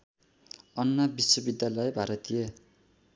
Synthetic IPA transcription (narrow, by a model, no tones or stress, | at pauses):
ʌnːʌbiswʌbid̪jalʌjbʱaɾʌt̪ie